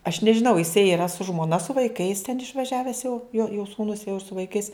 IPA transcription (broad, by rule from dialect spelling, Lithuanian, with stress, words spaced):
ɐʃ nʲɛʒʲɪˈnɐʊ jɪˈsɐɪ iːˈrɐ sʊ ʒmoːˈnɐ sʊ ʋɐɪˈkɐɪs tʲɛn ɪʃʋɐˈʒʲæːʋʲɛs jɛʊ joː joː suːˈnʊs jɛʊ ɪr sʊ ʋɐɪˈkɐɪs